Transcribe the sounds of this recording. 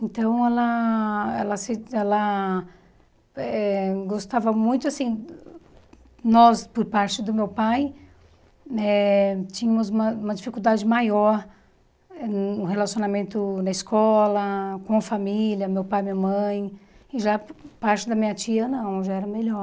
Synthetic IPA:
ẽt̪ɐ̃w̃ɛlɐ | ɛ̰lɐsɪɛlɐ | ɛɡost̪avɐmũj̃t̪ʊasĩ | nɔspoɾpaɾt͡ʃɪd̪ʊmewpaj | ɛt͡ʃĩɲɐ̃mʊzũmɐũmɐd͡ʒifikuwd̪ad͡ʒɪmajɔɾ | ɛʊ̃ɦelasionamẽnt̪ʊnɐɪskɔlɐkõɐfamiljɐmewpajmĩɲɐmɐ̃j̃ɪʒapaɾt͡ʃɪd̪ɐmĩɲɐt͡ʃiɐnɐ̃w̃ʒaɛɾɐmelɔɾ

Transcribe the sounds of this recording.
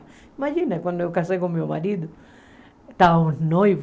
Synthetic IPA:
imaʒinɐkwãnd̪oewkasejkõmioma̰ɾid̪ʊ | t̪aunojv

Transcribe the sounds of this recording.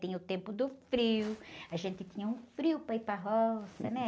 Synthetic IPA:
ẽɲɐʊt̪ẽmpʊd̪ʊfɾiʊaʒẽnt̪ɪt̪ĩɲɐũfɾiʊpajpɾɐɦɔsɐ̰nɛ

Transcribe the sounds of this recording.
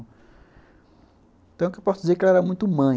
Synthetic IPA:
ẽt̪ɐ̃w̃kewpɔsʊizeklaɛɾamũj̃t̪ʊmɐ̃

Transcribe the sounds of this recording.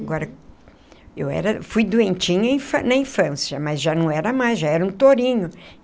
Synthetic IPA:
aɡɔɾɐ | ewɛ̰ɾɐfujd̪uẽnt͡ʃĩɲʊɐĩfɐ̃nɐĩfɐ̃sjɐmɐzʒanɐ̃w̃ɛɾɐmajzʒaɛɾɐũt̪oɾĩɲʊ

